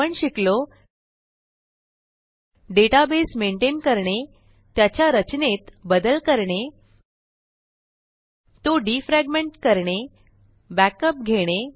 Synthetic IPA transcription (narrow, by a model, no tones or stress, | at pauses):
əɳɕiklo | ɖeʈabesmeɳʈenkəɾɳe | t̪jat͡ɕjaɾət͡ɕnet̪bəd̪əlkəɾɳe | t̪oɖifɾæɡmeɳʈkəɾɳe | bækəp̚ɡʱeɽ̃e